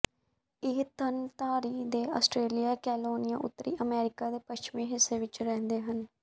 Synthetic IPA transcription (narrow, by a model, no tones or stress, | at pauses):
ɪɦt̪ənt̪aːɾiːd̪eːaːsʈɾeːlijaːkɛːloːnɪjãːʔʊ̰t̪ːɾḭːʔəmɛːɾɪkaːd̪eːpəʃt͡ʃmĩːɦɪsːeːʋɪt͡ʃɾɛ̃ːnd̪eːɦən